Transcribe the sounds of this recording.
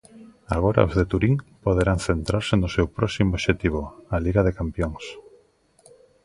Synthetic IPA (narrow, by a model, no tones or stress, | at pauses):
aɣ̞oɾa̰ozðet̪uɾiŋpoðeɾaŋθent̪ɾaɾsɪnʊsewpɾɔsimooʃet̪iβoaliɣaðekampjoŋs